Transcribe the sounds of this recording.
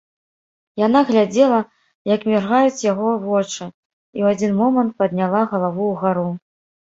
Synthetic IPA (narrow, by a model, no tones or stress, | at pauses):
janaɣlʲad͡zʲɛlˠɐ | jɐkmʲɛrɣajut͡sʲjaɣɔvɔt͡ʂɨ | iwad͡zʲinmɔmɐnt̪̚pɐd̪nʲalˠaɣɐlˠavuːɣaɾu